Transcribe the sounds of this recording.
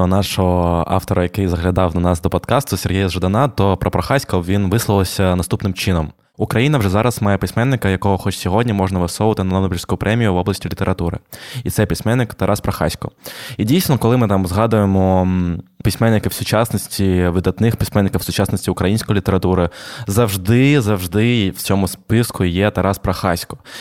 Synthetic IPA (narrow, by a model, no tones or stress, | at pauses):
ɔnɑʃɔɦɔɑ̰ft̪ɔɾɐjɐkɪjzɐɦlʲɐd̪ɑwd̪ɐnɑsd̪ɔpɔd̪kɑst̪ʊsʲerɦʲijɐzʒɐd̪ɐnɑt̪ɔpɾɔpɾɐxɑsʲkɔʋʲinʋɪslˠɐlˠɔsʲɐnɐst̪upnɪmt͡ʃɪnɔm | ʊkɾɐjinɐʋʐɛzɑɾɐsmɑjɛpɪsʲmɛnːɪkɐjɐkɔɦɔxɔt͡ʃsʲɔɦɔdʲnʲimɔʐnɐʋɐsɔʋɐt̪ɪnɐnɔd̪bʲirsʲkʊjʊpɾʔɛmʲijʊʋɔblˠɐsʲtʲilʲit̪eɾɐt̪uɾɪ̰it̪sɛpʲisʲmɛnːɪkt̪ɐɾʔɑspɾɐxɑ̰sʲkɔidʲijsʲnɔkɔlˠɪmɪt̪ɑmzɦɑd̪ʊjemɔ | pʲisʲmɛnːɪkɪwsʊt͡ʃɑsnɔsʲtʲiʋɪd̪ɐt̪nɪxpʲisʲmɛnːɪkɐwsʊt͡ʃɑsnɔsʲtʲiʊkɾɐjinʲsʲkɔjilʲit̪eɾɐt̪uɾɪzɐwʒd̪ɪzɐwʒd̪ɪwt͡sʲɔmʊspɪskʊjɛt̪ɐɾɑspɾɐxɑsʲkɔ̥